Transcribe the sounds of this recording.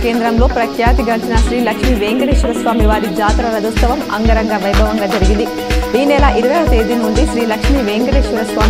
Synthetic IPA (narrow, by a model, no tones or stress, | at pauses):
ke̞ːnd̪ɾɐmlo̞ːpɾɐkʰjaːt̪iɡɐɳt͡ʃinɐʃɾiːlɐkʂmiʋeːŋɡɐɽeːʃʋiɾɐsʋaːmiʋaːɾid͡ʒaːt̪ɾɐlɐd̪ɐst̪ɐʋɐmɐŋɡɐɾɐŋɡaːʋɐjbʱɐʋɐŋɡaːd͡ʒɐɾiɡind̪i | iːnɛːlɐʔiɾuʋɐjlɐt̪e̞ːd̪inuɳɖiʃɾiːlɐkʂmiʋeːŋɡɐɖeːʂʋiɾɐsʋaːm